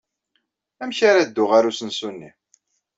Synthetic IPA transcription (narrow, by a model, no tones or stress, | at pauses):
æmçaɾad̪ːʊʁaɾusənsunːi